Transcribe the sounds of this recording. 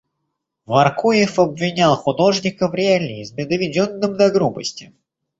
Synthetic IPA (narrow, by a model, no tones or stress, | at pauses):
vɐrkujɪfɐbvʲɪnʲalˠxʊd̪o̞ʐnʲɪkəvɾʲɪalʲɪːzmʲɪd̪əvʲɪdʲonːɨmd̪ɐɡɾubə̰sʲtʲɪ